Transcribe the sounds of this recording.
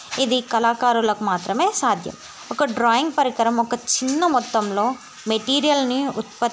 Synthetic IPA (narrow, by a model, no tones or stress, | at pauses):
id̪ikɐlaːkaːɾulɐkumaːt̪ɾɐme̞ːsaːd̪ʱjɐ̰m | ɔkɐɖɾaːiŋɡ̚pɐɾikɐɾɐmɔkɐt͡ʃinːɐmɔt̪ːɐmlo̞ː | meʈiːɾijɐlniṵt̪̚pɐt̪